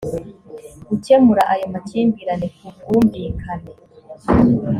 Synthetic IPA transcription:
ɡuce̞muɾaʔajomaciːmbiːɾanekʰubɡuːmviːkʰane

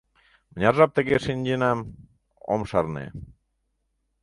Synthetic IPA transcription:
mənʲɑrʒɑp̚t̪ə̆ɣeʃinʲd͡ʑinɑm | o̰mʃɑrnḛ

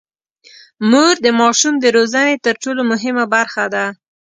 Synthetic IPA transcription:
muɾd̪əmɑʃumd̪əɾozanet̪əɾʈolomʊɦɪmabaɾxad̪a

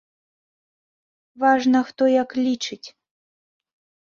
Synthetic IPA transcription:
vaʐnɐxt̪ɔjaklʲit͡ʂɨt͡sʲ

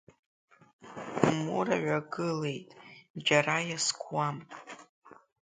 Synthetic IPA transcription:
mṵɾa̰ʕʷaɡɨle̞jtʼd͡ʒaɾajaskʷʰwamʼ

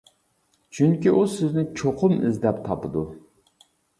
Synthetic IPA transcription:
t͡ʃʰyŋkʲiʔusɪznɪt͡ʃʰoqʰʊmɪzd̪ɛpt̪ʰɑpɨd̪u

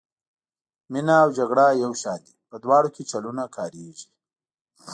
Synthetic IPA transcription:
minaːwd͡ʒaɡɽajawʃɑːnd̪ipəd̪wɑːɽoket͡ʃalunakʰɑːɾeʒi̥

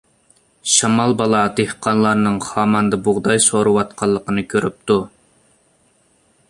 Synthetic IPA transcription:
ʃɑmɑlˠbɑlˠɑd̪ehqʰɑnlˠɑɾnɨŋχɑːmɑnd̪ɑbʊʁd̪ɑjsoɾuwɑt̪̚qʰɑlˠːəqənɨkʲʰøɾyp̚t̪u

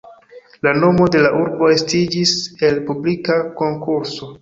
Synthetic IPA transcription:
lano̞mo̞de̞laʔuɾbo̞estid͡ʒise̞lpublikako̞ŋkuɾso̞

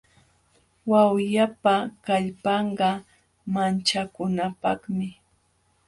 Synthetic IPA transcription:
wawjapakaʎpɑɴɢɑ | mant͡ʃakʊnapɑχmɪ

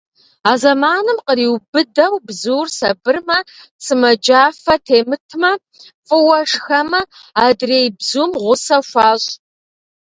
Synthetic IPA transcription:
aːzɐmaːnɨmqəriːwbɨdɐwbzuːrsɐbɨrmɐsɨmɐd͡ʒaːfɐtʰeːmɨtʰmɐ | fʼɨwɐʂxɐmɐ | aːdreːjbzuːmʁʷʊsɐʃʷɑaːɕʼ

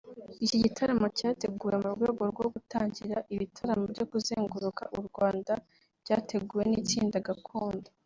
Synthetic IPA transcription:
iciɟitʰaɾamo̞caːte̞ɡuːje̞muɾɡweːɡo̞ɾɡwo̞ɡutaːɲɟiɾaʔiβitʰaɾamobɟokuzeːŋɡuɾuka̰ʔuɾɡwaːndḁ | ɟaːte̞ɡuːje̞nit͡ʃiːndaɡakʰoːndo

